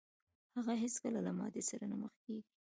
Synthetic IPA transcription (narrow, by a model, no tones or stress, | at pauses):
haɣaɦɪskəlalamɑ̰d̪esaɾanaməxkeɡi